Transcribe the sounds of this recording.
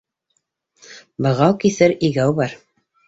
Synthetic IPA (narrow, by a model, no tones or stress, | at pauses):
bɤ̆ʁɑwkiθɘɾiɡæwbɑɾ